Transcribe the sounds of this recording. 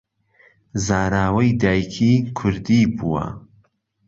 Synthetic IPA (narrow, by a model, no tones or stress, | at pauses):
zaːɾaːwɐjd̪aːjkʰiːkʰʊɾd̪iːbuːwɐ̰